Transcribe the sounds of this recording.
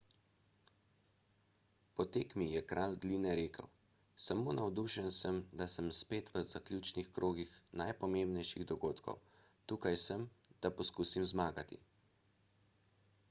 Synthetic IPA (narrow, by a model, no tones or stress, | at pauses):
pɔt̪eːkmijɛkɾaːlɡ̪liːnɛɾeːkʰə̰w | samoːnawd̪uʃənsəmd̪asəmspeːt̪ʋəzaklʲjut͡ʃnixkɾʔoːɡixnajpɔmembnɛjʃiɣd̪ɔɡoːt̪kʰɔ̰w | t̪uːkajsəm | d̪̥apɔskuːsimzmaːɡat̪ḭ